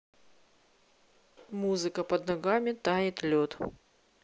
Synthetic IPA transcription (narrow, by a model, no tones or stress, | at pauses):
muzɨkəpɐd̪nɐɡamʲɪt̪ajɪt̪lʲot̪